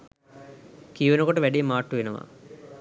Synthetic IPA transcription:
kijʋenəkoʈəʋæɖijːmaːʈːuʋenəʋa̰

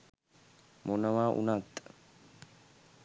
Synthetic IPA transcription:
mɔnɐmaːʔʊ̰naːt̪ʼːɐ̥

